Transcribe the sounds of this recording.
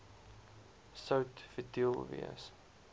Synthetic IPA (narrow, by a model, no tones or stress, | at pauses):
sɐwtfətilˠvḭə̰s